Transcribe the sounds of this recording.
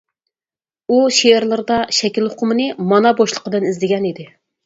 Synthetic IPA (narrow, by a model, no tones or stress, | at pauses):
uʃeɪɾlˠɨɾd̪ɑʃɛkʲilˠhʊqʰʊmɨnɨmɑnɑboʃlˠəqəd̪ɨnizlɪɡʲɛnid̪ɪ